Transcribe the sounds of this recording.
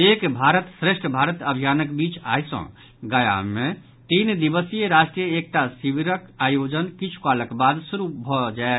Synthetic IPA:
ekbʱaɾət̪sɾeʃʈʰəbʱaɾət̪əbʱijaːnəkbiːt͡ʃa̰jsə̰̃ | ɡəja̰mẽ | t̪iːnd̪ibəsijəɾaʃʈɾijəek̚ʈ̪asibiɾəkajod͡ʒənkit͡ʃʰu̥kaləkbad̪suɾubʱɔd͡ʒae

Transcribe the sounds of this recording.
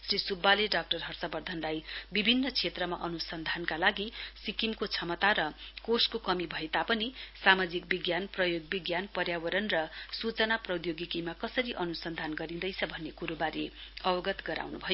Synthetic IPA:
srisubːaleɖak̚ʈʌrɦʌrsʌbʌrd̪ʱʌnlajbibʱinːʌt͡sʰet̪rʌmaʔʌnusʌnd̪ʱankalaɡisikimkot͡sʰʌmʌt̪aɾʌkoskokʌmibʱʌet̪apʌnisamad͡zik̚biɡjanprʌjoɡbiɡjanpʌrjawʌɾʌnrʌsut͡sʌnaprʌd̪joɡikimakʌsʌɾiʔʌnusʌnd̪ʱanɡʌɾind̪ʌjt͡sʰʌbʱʌnːekuɾubaɾeʌbʌɡʌt̪ɡʌɾa̰wnṵbʱʌjo

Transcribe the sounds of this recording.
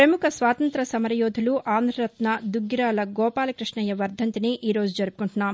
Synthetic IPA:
pɾɐmukʰɐsʋaːt̪ɐnt̪ɾɐsɐmɐɾɐjɔːd̪ʱuluʔʔaːnd̪ʱɾɐɾɐt̪nɐd̪uɡɾaːlɐɡɔːpaːlɐkɾiʂɳɐjɐʋɐɾd̪ʱɐnt̪iniʔiːɾo̞ːd͡ʒud͡ʒɐɾupu̥kuɳʈunːaːm

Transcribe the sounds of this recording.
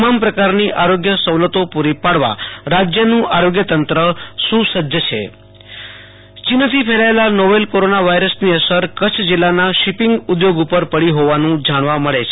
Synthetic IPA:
mampɾəkaɾniʔaɾoɡjəsəwlət̪opuɾipaɽʋa̰ɾad͡ʒjənũʔaɾoɡjət̪ənt̪ɾəsusəd̪ʱjət͡ʃʰḛ | t͡ʃinət̪ʰipʰeɭaelanoʋelkoɾonaʋaiɾəsniəsəɾkət͡ʃʰd͡ʒɪlːanaʃipɪŋɡud̪joɡupəɾpəɽiɦoʋanũd͡ʒaɽ̃ʋaməɭet͡ʃʰe

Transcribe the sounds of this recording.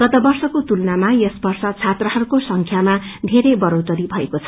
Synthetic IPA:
ɡ̥ʌt̪ʌbʌrsʌkot̪ulnamajesbʌrsʌt͡sʰat̪rʌɦʌɾukosʌŋkʰjamad̪ʱeɾebʌɾowt̪ʌɾibʱʌekot͡sʰʌ

